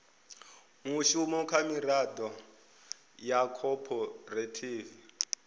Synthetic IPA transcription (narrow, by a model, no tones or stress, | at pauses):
ŋuʃumɔkʰamiɾad̪ɔ | jakʰɔpʰɔretʰiːvi